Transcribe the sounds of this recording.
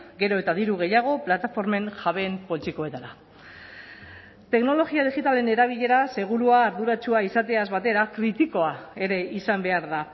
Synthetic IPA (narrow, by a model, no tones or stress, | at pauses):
ɡe̞ɾo̞e̞t̪aðiɾuɣ̞e̞jaɣ̞o̞plat̪afo̞ɾme̞ŋʝaβe̞mpo̞lit̪iko̞e̞t̪aɾa | t̪e̞kno̞lo̞ɣiaðiɣit̪ale̞ne̞ɾaβ̞iʎe̞ɾase̞ɣ̞uɾuaːɾðuɾat͡ʃuaisat̪e̞azβat̪e̞ɾakɾit̪iko̞ae̞ɾe̞isambe̞aɾða